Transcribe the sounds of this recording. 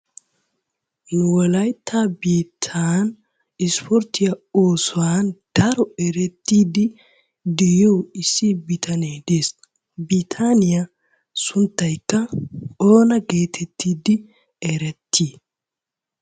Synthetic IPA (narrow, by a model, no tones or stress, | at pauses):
nʊwɔlɐjt̪ʰːabiːt̪ʰːaːn | ɪspɔɾt̪ɪjɐoːsɔwaːnd̪̥ɐɾɔɛɾɛt̪ːiːd̪ɪ | d̪ɛjowɪsːɪbɪt̪ʰɐneːd̪eːs | bit̪ʰanɪjɐ | sʊnt̪ːɐjkːɐoːnɐɡe̞ːt̪ʰɛt̪ːiːd̪ɪ | ɛɾɛt̪ːiː